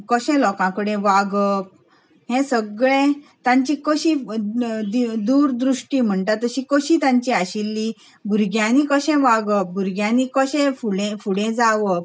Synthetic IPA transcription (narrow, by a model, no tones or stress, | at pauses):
kəɕɛ̃lɔkãkəɽẽʋaɡəp̚ | ɦɛ̃səɡɭẽt̪ãɲt͡ɕikəɕi | d̪id̪uːɾd̪ɾuʂʈiːm̤əɳʈ̪at̪ːəɕikəɕiːt̪ãɲt͡ɕiaɕilːi | bʱuɾɡjãnikəɕɛ̃ʋaɡəp̚bʱuɾɡjãnikəɕẽfuɽẽfuɽẽd͡zaʋəp̚